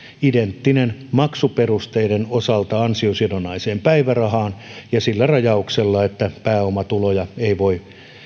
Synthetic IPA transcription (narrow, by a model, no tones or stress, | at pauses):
ident̪ːinenmɑksuperust̪eidenosɑlt̪ɑɑnsiosiedonɑiseːmpæiʋærɑhɑːnjɑsilːærɑjɑukselːɑet̪ːæpæːomɑt̪ulojɑeiʋoi